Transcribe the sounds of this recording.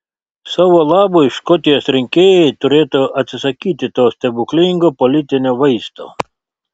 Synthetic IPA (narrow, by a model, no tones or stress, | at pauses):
sɑːʋoːlˠɑːboːɪʃkɔt̪ʲɪjoːsɾʲɪŋʲkʲeːjɛɪt̪ʊɾʲeːt̪uɐt̪ʲsʲɪsɐkʲiːt̪ʲɪt̪oːsʲt̪ʲɛbʊklʲɪŋɡoːpɔlʲɪt̪ʲɪnʲoːʋɐɪst̪o̰ː